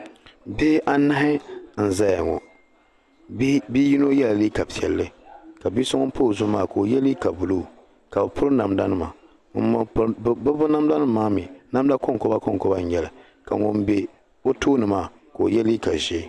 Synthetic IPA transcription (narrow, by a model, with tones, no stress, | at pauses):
beː˦ʔa˦na˦ɦɪ˦n̩˨za˦ja˨ŋɔ̰˨˦ | bi˦ji˦no˦jɛ˦la˨li˦ka˨pi˨ɛ˨lːɨ˦ka˨bi˦sɔ˦ŋɔ˦po˦˨zʊ˦maː˦˨ko˨jɛ˦liː˦ka˨bu˨lo˦˨ | ka˨bɨ˨pʊ˦ɾɨ˦na˨mda˦nɨ˦ma˨˦ | bɨ˦bʊ˦na˦m˦da˦nɨ˦mː˦aː˦mi˨na˦m˦da˦ko˦ŋkɔ˦ba˦kɔ˦ŋkɔ˦ba˦n˨ɲɛ˨lɨ˨ | ka˨ŋɔ˨mbe˨ | o˦tʰoː˦nɨ˨maː˦˨ | ko˨jɛ˦li˦ka˨ʒe˦